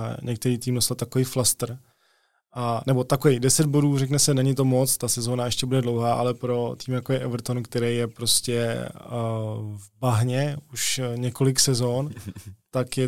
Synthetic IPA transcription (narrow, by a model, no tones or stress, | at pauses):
ɲɛk̚t̪ɛɾiːt̪iːmnost̪at̪ːakoviːflast̪r̩ | anɛbo̞t̪akovɛjdɛsɛd̪̚bo̞duːrɛknɛsɛnɛɲɪt̪o̞mot͡st̪asɛzoːnaɛʃcɛbudɛdlo̞wɦaːʔa̰lɛpɾo̞t̪iːmjakojɛʔɛvɾ̩t̪onkt̪ɛɾɛjjɛpɾo̞scɛ | vbaɦɲɛuʃɲɛko̞lɪksɛzo̞nt̪akjɛ